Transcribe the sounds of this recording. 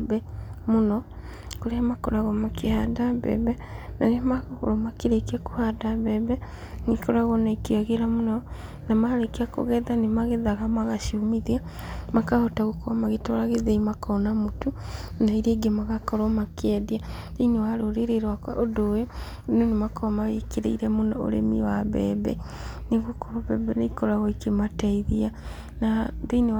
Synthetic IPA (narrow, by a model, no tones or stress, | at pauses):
bɛmonɔ | koɾeamakoɾaɣɔmakehadabɛ̰bɛ | nanemaɣo̰ɾɔmakeɾekako̥hadaβɛbɛ | nikoɾaɣɔnaikiaɣeɾamonɔnamaɾekeako̰ɣɛðanemaɣeðaɣamaɣaʃiomiðia | makahɔtaɣokoamaɣetɔɾaɣeðeimakɔnamotunaiɾeɡemaɣakɔɾɔmakeɛdia | ðeinewaɾoɾeɾeɾwakwa̰ʔodojo | nonemakɔmawekeɾeiɾɛmonɔo̰ɾḛmiwaβɛ̰ːβɛ̰neɣokoβɛbɛneikɔɾaɣɔikemataiðia | naðeine